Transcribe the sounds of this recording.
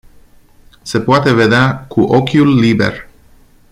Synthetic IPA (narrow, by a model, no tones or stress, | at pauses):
sepwat̪eβeðakuʔokjulːibḛɾ